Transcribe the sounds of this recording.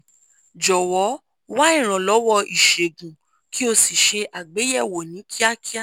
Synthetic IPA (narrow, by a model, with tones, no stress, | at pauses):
d͡ʒɔ˨wɔ˨˦ | wa˦ĩ˦˨ɾ̃ã˨lɔ˨˦wɔ˧i˨ʃe˨ɡũ˨ | ki˦o˧si˨ʃe˧ʔa˨ɡ͡be˨˦jɛ˦˨wo˨nĩ˨˦kʰi˦a˦kʰi˦a˦˨